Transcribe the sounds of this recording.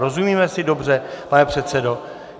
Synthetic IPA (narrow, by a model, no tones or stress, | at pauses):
ɾo̞zumiːmɛsɪdo̞brɛpanɛpr̝̥ɛt̪sɛdo̞